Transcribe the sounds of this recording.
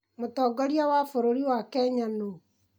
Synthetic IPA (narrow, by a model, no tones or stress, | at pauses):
motɔːɡɔɾiawaːfoɾoɾiwakɛɲano